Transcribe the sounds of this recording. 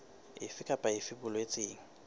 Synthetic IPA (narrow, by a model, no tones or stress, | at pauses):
ɪfɪkʼapʼaɪfɪbʊlwet͡sʼeːŋ̩